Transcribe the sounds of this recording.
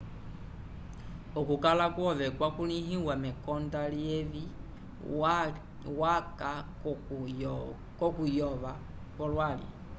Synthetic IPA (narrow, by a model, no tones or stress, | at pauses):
okukalakwɔʋɛkwakuliɦiwamɛkɔndalievi | waka | kɔkujɔʋa | kwɔlwalḭ